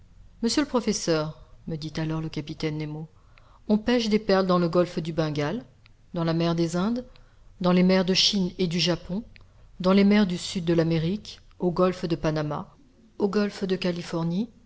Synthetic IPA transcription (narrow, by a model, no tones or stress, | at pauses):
məsjələpχɔfɛsœʁməd̪it̪alɔʁləkʲapit̪ɛnːemo | ɔ̃pɛʃd̪epɛʁld̪ɑ̃ləɡɔlfd̪ybɛ̃ɡal | d̪ɑ̃lamɛʁd̪ezɛ̃d̪ | d̪ɑ̃lemɛʁd̪əʃined̪yʒapɔ̃ | d̪ɑ̃lemɛʁd̪ysyd̪ːəlameʁik | oɡɔlfd̪əpanama̰ | oɡɔlfd̪əkalifɔʁni